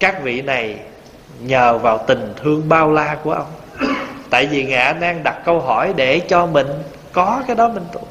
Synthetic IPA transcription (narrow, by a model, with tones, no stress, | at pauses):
kaː˦˥k̚vḭ˧˨na˨˩j | ɲəː˨˩vaː˨˩wt̪ï˨˩ŋ̟t̪ʰɨ˧əŋɓaː˧wlaː˧ku˧˩əʔə˧wŋ͡m | t̪a̰ː˧˨jvi˨˩ŋa̰ː˧˨ɗaː˧ŋɗa˨˩t̚kə˧wɦɔ˧˩jɗe˧˩t͡ɕɔ˧mï˨˩ŋ̟ | kɔ˨˦kaː˨˦jɗɔ˨˦mï˨˩ŋ̟t̪ṵ˧˨